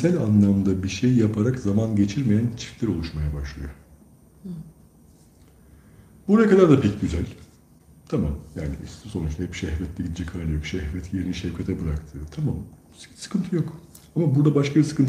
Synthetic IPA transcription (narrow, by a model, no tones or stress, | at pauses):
sælʲanlˠamd̪abiʃejjapʰaɾakzamanɟe̞t͡ʃʰiɾmejænt͡ʃʰi̥flʲæɾo̞lˠuʃmajabaʃlˠɯjo̰ | buɾajakʰad̪aɾd̪apʰɛcɟyzælʲ | t̪ʰamamjaːniso̞nut͡ʃt̪ahɛpʃɛhvɛt̪lʲɛɟid̪id͡ʒɛkʰaɾlʲˠajo̞kʃɛhvɛt̪jeɾiniʃɛvcʰat̪ʰɛbɯɾakt̪ʰɯːt̪ʰamam | sɯ̥kʰɯnt̪ʰɯjo̞k | amabuɾd̪abaʃkʰabisɯ̥kɯnt̪ʰ